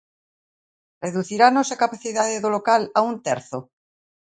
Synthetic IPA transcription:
reðuθiɾanosekapaθiðaðeðolokalaunt̪eɾθo

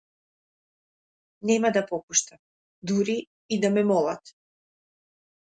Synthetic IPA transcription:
nɛmad̪apɔpuʃt̪a | d̪uɾiː | d̪amɛmɔlˠat̪

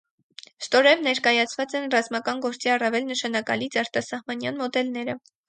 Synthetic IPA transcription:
st̪ɔɾɛvnɛɾkɑjɑt͡sʰvɑt͡sɛnrɑzmɑkɑnɡɔɾt͡siɑrɑvɛlnəʃɑnɑkɑ̰lit͡sɑɾt̪ɑsɑhmɑnjɑnmɔd̪ɛlnɛɾə

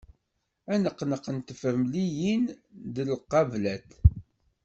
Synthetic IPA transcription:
ænəqːnəqənt̪əfəɾmlijind̪əlqːɑvlæt̪

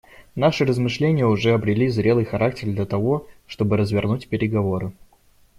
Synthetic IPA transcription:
naʂɨrəzmɨʂlʲenʲɪjəʊʐɛɐbɾʲɪlʲizɾʲe̞lˠɨjxɐɾak̚tʲɪrd̪lʲət̪ɐvo̞ʂt̪o̞bɨɾəzvʲɪrnutʲpʲɪɾʲɪɡɐvo̞ɾɨ

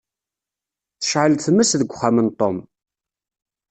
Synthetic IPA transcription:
θə̥ʃʕəlθəmːəsðəɡʷχːamənt̪ˤom

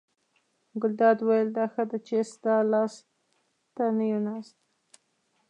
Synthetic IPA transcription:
ɡʊld̪ɑd̪wajəld̪ɑxad̪ət͡ʃesd̪ɑlɑs | t̪anajunɑst̪

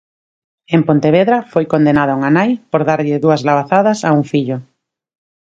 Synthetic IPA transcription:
empont̪eβeðɾafojkond̪enað̞auŋanajpoɾðaɾʎeðuazlaβaθaðasauŋfiʎo

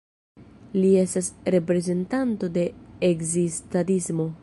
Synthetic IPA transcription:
lie̞stasɾe̞pɾe̞ze̞ntanto̞de̞ːkzistatismo̞

